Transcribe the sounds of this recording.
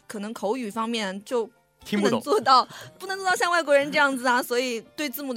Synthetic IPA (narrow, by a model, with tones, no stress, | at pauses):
kʰɤ˨˩nɤ˧˥ŋkʰo˧˥ʊy˨˩fɑ˥ŋmjɛ˥˩t͡ɕjo˥˩ʊ | i˥pu˥˩˧ŋt͡swɔ˥˧t̪ɑ˥˩ʊpu˥˩nɤ˧˥ŋt͡swɔ˥˧t̪ɕjɑ˥˧ŋwa˥˩ɪkwɔ˧˥ɻə˧˥nʈ͡ʂɤ˥˧jɑ˥˩ŋd͡zɹ̩˩ɐ˩swɔ˧˥i˨˩t̪we˥˧ɪt͡sɹ̩˥˩mu˨˩